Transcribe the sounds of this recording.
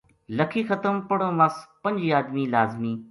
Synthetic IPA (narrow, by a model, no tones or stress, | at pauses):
ləkʰiːxɐt̪əmpɐɽõːʋaspɐ̃ɲʲd͡ʒiːaːd̪miːlaːzmiː